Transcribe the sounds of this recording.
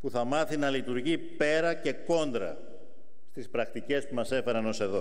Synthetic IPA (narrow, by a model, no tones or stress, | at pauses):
puθɐmɐθinɐlit̪uɾʝipe̞ɾɐce̞ko̞nd̪ɾɐ̰ | st̪ispɾɐkt̪ice̞spumɐse̞fe̞ɾɐno̞se̞ðo̞